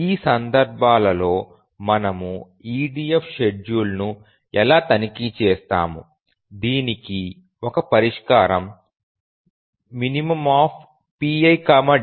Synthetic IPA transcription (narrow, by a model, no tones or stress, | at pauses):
iːsɐnd̪ɐɾbʱaːlɐlo̞ː | mɐnɐmu | iːɖiːepʰʃeɖjuːlnu | ɛlaːt̪ɐnikit͡ʃeːst̪a̰ːmu | d̪iːniki | ɔkɐpɐɾiʂkaːɾɐm | minimɐmaːp̚ʰ | piːɐjkaːmɐ